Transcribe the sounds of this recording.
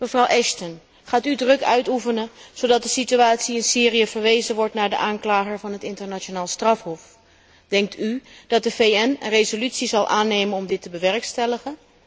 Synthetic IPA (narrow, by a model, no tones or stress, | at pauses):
məvrɑwʔɛʃtən | χaːtydrɵkœ̰ɥtufənənz̥odɑt̚dəsityaːtsiɪnsiːrijəvəɹʋejzənʋɔɹtnaːɹdə̰ʔaːŋklaːχəɹvɑnɦətɪntəɹnat͡ʃonaːlˠstrɑfɦɔf | d̥ɛŋk̚tʰyd̥ɑt̚dəvejɛnə̰nrejzolytsizɑlˠʔaːnejmənɔmdɪtəbəʋɛɹkstɛləχən